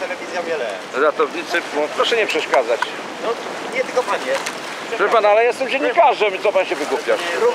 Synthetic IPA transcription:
t̪ɛlɛvʲizʲjavjɛlɛ | ɾat̪ɔvɲit̪sɘmɔpɾɔʂɛɲɛpʂɛʂkad̪zat͡ɕ | nɔ | ɲɛt̪ɨlkɔpaɲɛ | vɘpanalɛjɛst̪ɛmd͡ʑeɲːikaʐɛmit̪sɔpanɕɛvɘɡupʲjaʂ

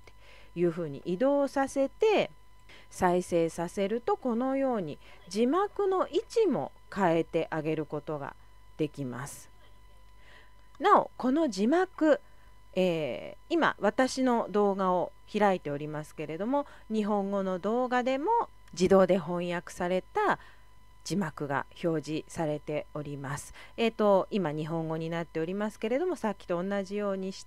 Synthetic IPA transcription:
e̥ | jɯ̟ːɦɯ̟ːɲ̟ḭʔid̪o̞ːsase̞t̪e̞ | saise̞ːsase̞ɾɯ̟t̪o̞ko̞no̞jo̞ːɲ̟i | d͡ʑimakɯ̟no̞ʔit͡ɕimo̞̰ | kae̞t̪e̞ʔaɡe̞ɾɯ̟ko̞t̪o̞ɡa̰ | d̪̥e̞kʲima̰sɨ̥ | nao̞̰ko̞no̞d͡ʑimakɯ̟ | eːima̰βat̪aɕino̞d̪o̞ːɡao̞çiɾait̪e̞o̞ɾʲimasɨ̥ke̞ɾe̞d̪o̞mo̞ | ɲ̟iɦõ̞ŋɡo̞no̞d̪o̞ːɡad̪e̞mo̞ | d͡ʑid̪o̞ːd̪e̞ɦõ̞ɰ̃jakɯ̟̥saɾe̞t̪a | d͡ʑimakɯ̟ɡa̰ço̞ːʑisaɾe̞t̪e̞o̞ɾʲimasɨ̥ | et̪o̞imaɲ̟iɦõ̞ŋɡo̞ɲ̟inat̪ːe̞o̞ɾʲimasɨ̥ke̞ɾe̞d̪o̞mo̞sakʲːi̥t̪o̞ːnːaʑijo̞ːɲ̟iɕi̥

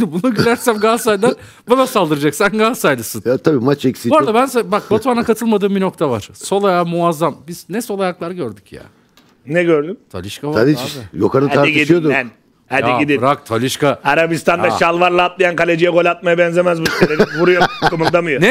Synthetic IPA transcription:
bunuɟilʲæɾsænɡaːsajld̪ˠaɾ | banasalˠd̪ɯɾɯd͡ʒaksænɡaːsajlˠɯsɯnat̪ʰabiːmat͡ʃɛksiboɾd̪abænsbak̚bot̪ʰuanakʰat̪ʰɯlˠmad̪ɯːmbino̞kt̪ʰavaɾ̥so̞lˠajamuazːambiz̥nɛso̞lˠajaklˠaɾɟøɾd̪y̥cja̰ː | nɛɟøɾd̪ymt̪ʰa̰lʲɯʃkavaad̪iajo̰kʰaɾat̪aɾiid̪ijod̪uɛn | adj̪iid̪iɾakt̪ʰalʲɯʃkaaɾabist̪ʰand̪aʃalˠvaɾlˠaːt̪lˠajankalʲed͡ʒijɛɡo̞lʲat̪̚majabɛnzemæzbuslʲeɾvuɾujomkʰɯmɯlˠd̪amɯjonɛ

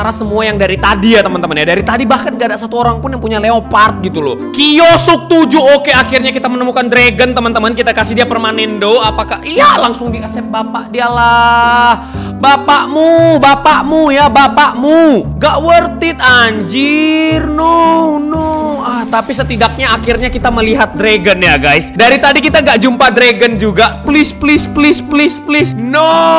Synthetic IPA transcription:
aɾasəmuajaŋdaɾit̪adijat̪əmant̪əmənjadaɾit̪adibahkanɡaːdaʔsat̪uoɾaŋpʊnjaŋpuɲaleopart̪̚ɡit̪ulʊ̰kijosʊk̚t̪ud͡ʒuokeakirɲakit̪amənəmukandɾeɡənt̪əmant̪əmankit̪akasɪhdiapərmanɛndoapakahialaŋsʊŋdiəsɛp̚bapaʔdialah | bapaʔmubapaʔmujabapaʔmuŋɡaʔwərt̪ɪt̪̚aɲd͡ʒɪrnɔnɔaht̪apisət̪idak̚ɲaːkirɲakit̪aməliɦat̪̚dɾeɡənjaɡajsdaɾit̪adikit̪aŋɡaʔd͡ʒumpadɾeɡənd͡ʒuɡaplɪsplɪsplɪsplɪsplɪsnɔ

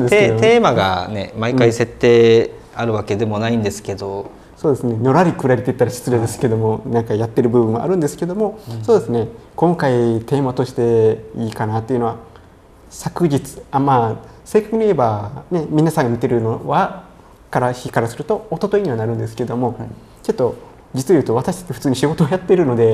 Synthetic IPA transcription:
d̪eet̪eːmaɡa̰ne̞maikaise̞t̪ːe̞ː | aɾɯ̟βake̞d̪e̞mo̞naĩnd̪esɨ̥ke̞d̪o̞ | so̞ːd̪e̞sɨne̞no̞ɾaɾʲikɯ̟ɾaɾʲit̪eit̪ːaɾaɕi̥t͡sɨɾed̪e̞sɨ̥ke̞d̪o̞mo̞nãŋkajat̪ːe̞ɾɯ̟bɯ̟bɯ̟̃a̰ʔa̰ɾɯ̃nd̪e̞sɨ̥ke̞d̪o̞mo̞so̞ːd̪e̞sɨne̞kõ̞ŋkait̪e̞ːmat̪o̞ɕi̥t̪e̞iːkanat̪ːe̞iɯno̞a | sakɯ̟d͡ʑit͡sɨ̥amaː | se̞ːkakɯ̟ɲ̟ʲieebane̞mʲinasãŋɡamʲit̪e̞ɾɯ̟noβa | kaɾaçikaɾasɨɾɯ̟t̪o̞ːt̪ːo̞t̪oiɲ̟iβanaɾɯ̟̃nd̪e̞sɨ̥ke̞ed̪omo̞ | t͡ɕo̞t̪ːo̞ | d͡ʑit͡sɨjɯ̟ːt̪o̞βat̪aɕi̥t̪ḁt͡ɕt̪ːeɸɯ̟t͡sɨːɲ̟iɕiɡo̞t̪oajat̪ːe̞ɾɯ̟no̞d̪e̞

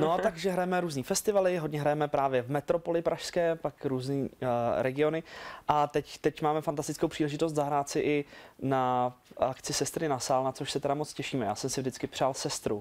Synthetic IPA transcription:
not̪aɡʒɛɦɾajɛmɛɾuːzniːfɛst̪ɪvalɪɦodɲɛɦɾajɛmɛpɾaːvjɛvmɛt̪ɾo̞po̞lɪpɾʔaʃskɛːpakɾuːzniːɾɛɡɪo̞nɪʔat̪ɛct̪ɛcmaːmɛfant̪ast̪ɪ̥t͡skowpr̥iːlɛʒɪt̪o̞s̬t̪zaɦɾaːt̪sɪʔɪnaakt͡sɪsɛst̪ɾɪnasaːlnat͡soʃsɛt̪ɛdamot͡scɛʃiːmɛja̰ːsɛmsɪvdɪt͡skɪpr̥aːlsɛst̪ɾu

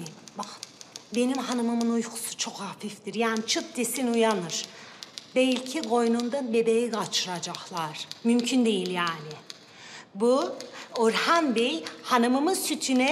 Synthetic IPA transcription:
baxbe̞nimɦanamɯmɯnujkʰu̥su̥t͡ʃʰokhafifd̪iɾjaːnit͡ʃʰɯp̪̚d̪esinujanɯɾ̥bɛlʲcʰiɡo̞jnund̪abebejiɡat͡ʃʰɯɾad͡ʒaxlˠaɾ̥mymcʰynd̪e̞jilʲjaːnɪ | buoɾhanbejhanamɯmɯsyt̪ʰynɛ

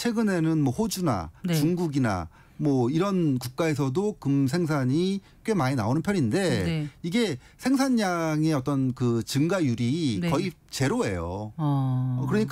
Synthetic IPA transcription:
t͡ɕʰwe̞ɡɯne̞nɯnmwʌɸod͡ʑuna̰t͡ɕuŋɡuɡina̰ | mwʌiɾʌnkuk̚k͈ae̞s̬ʰʌdokɯmsʰe̞ŋsʰaɲi | k͈wemaɲina̰onɯnpʰjʌɾinde̞iɡe̞ | sʰe̞ŋsʰaɲːaŋe̞ʌt͈ʌnkɯt͡ɕɯŋɡajuɾikʌi | t͡ɕe̞ɾoe̞̰jo̰ | ʌkɯɾʌɲik͈

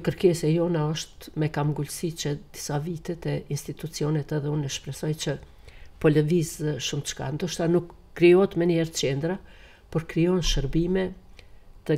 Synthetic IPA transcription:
kəɾkɛsɛjɔnaɔʃt̪mɛkamɡulsit͡ʃəd̪̥i̥savit̪ɛt̪ɛinst̪it̪ut͡siɔnɛt̪ɛðɛunɛʃpɾɛsɔjt͡ʃə | pɔləvizʃumt̪t͡ʃka̰nd̪ɔʃt̪anukː | ɾiɔt̪mɛniɛɾt̪t͡ʃɛnd̪ɾa | pɔɾkɾijɔnʃəɾbimɛ | t̪ə

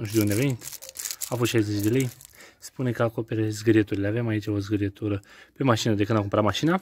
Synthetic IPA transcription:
ɨnʃijeund̪eavenit̪afost̪ʃajze̞t͡ʃʲd̪e̞le̞jspunekəako̞pe̞ɾezɡəɾjet̪uɾileavemait͡ʃaozɡəɾjet̪uɾəpe̞maʃinəd̪ekɨnd̪ak̬umpɾamaʃina

